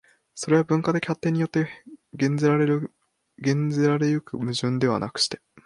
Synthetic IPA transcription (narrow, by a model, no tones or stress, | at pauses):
so̞ɾe̞βabɯ̟̃ŋkad̪e̞kʲat̪ːe̞ːɲ̟ijo̞t̪ːe̞ɡẽnzeɾaɾeɾɯ | ɡẽnd͡zeɾaɾe̞jɯ̟kɯ̟mɯ̟ʑɨ̃nd̪e̞βa̰nʔa̰kɯ̟̥ɕi̥t̪e